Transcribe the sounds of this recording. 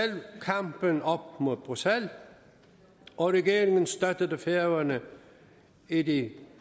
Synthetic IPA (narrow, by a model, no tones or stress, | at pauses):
elkʰɑmb̥ənɒb̥̚mo̝ðˠb̥ʁʉsel | ɒɾɛɡe̝ːɾɪŋənsd̥̪œd̥əðəfeɐʋɐnə | idi